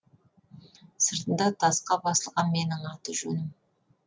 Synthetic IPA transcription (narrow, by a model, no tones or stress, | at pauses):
səɾt̪ənd̪ɑt̪ʰɑsqɑbɑsəlˠʁɑnme̞nɪŋɑt̪əʒɵnɪm